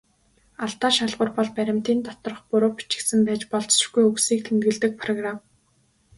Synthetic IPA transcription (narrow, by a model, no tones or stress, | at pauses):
aɮt̪aːʃaɮʁʊ̆rpɔɮpæɾʲɪ̆m̥t̪iːnt̪ɔt̪ɞ̆rχpʊɾoːpi̥t͡ɕɪ̥̆ksɘ̆mpæːt͡ɕpɔɮt͡s̆rɡujuksiːk̚t̪ʰemt̪ɡɘ̆ɮt̪ɘ̆k̚pʰrɔɣram